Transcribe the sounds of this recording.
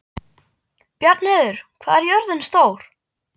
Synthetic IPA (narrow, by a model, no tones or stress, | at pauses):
pjaɾt̪nɛːðʏɾ̥kʰvaːðɛɾjœɾðɪnst̪oːwɾ̥